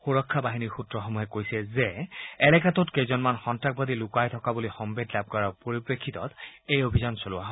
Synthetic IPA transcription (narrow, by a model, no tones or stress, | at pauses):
xuɹɔkʰːabaɦiniɹxutɹɔxɔmuɦɛkojsɛzɛɛlɛkatɔtkejzɔnmanxɔntɹak̚badilukajtʰɔkabulixɔmbedlab̚kɔɹapoɹipɹekʰːit̪ɔ̰tejobʱizɔnsolʊwaɦɔ